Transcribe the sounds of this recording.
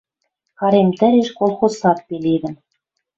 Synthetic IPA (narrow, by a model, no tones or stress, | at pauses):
xɑɾemt̪ɘ̆ɾeʃkolˠxosɑt̪̚peled̪ɘ̆m